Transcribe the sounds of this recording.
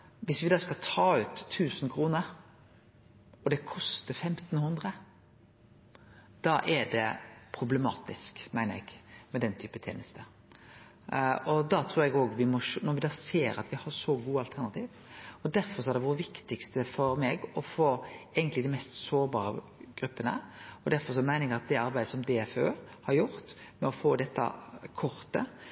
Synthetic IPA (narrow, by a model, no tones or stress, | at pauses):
ʋɪsʋɪd̪ɑːskɑlt̪ʰɑːʉːt̪ʰːʉːsənkʰɾuːnəɾ | ɔd̪ɛkʰɔst̪əfɛmt̪nhʉnd̪ɾə | d̪̥ɑʔɛɖɛpʰɾʊblɛmɑ̰ːt̪ɪskmæɪnəɾɛ̰ɡmɛd̪ɛnt̪ʰyːpət̪ʰḛːnəst̪ə | ɔd̪ɑt̪ʰɾuːɾɛɡoːɡʋɪmɔʃnɔɾʋɪd̪ɑːseːɾɑ̰t̪ʋɪhɑɾʂɔɡuːɑlt̪ʰæɾnɑt̪ʰiːʋ | ɔd̪æɾfɔɾʂɔæɾɖ̪ɛʋʊɾʋɪkt̪ɪkst̪əfɔɾmɛːɡɔfoːɛɪɡənt̪lɪd̪ɛɪmɛst̪soːɾbɑːɾə | ɡ̥ɾʉpːənəɔd̪æɾfɔɾʂɔmæɪnəɾɛɡɑt̪̚d̪ɛɑɾbæɪd̪əsɔmd̪ɛføːɾhɑɾjʊɾt̪mɛɔfoːd̪ɛt̪ːɑ̰kʰɔɾt̪ə̰